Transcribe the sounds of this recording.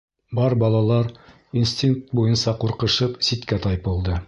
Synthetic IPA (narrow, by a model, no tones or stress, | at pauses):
bɑɾbɑlˠɑlˠɑɾ | insʲt̪ʲiŋk̚t̪̚bujɤnsɑquɾqɤ̆ʃɤpsit̪kæt̪ɑjpɤ̆lˠd̪ɤ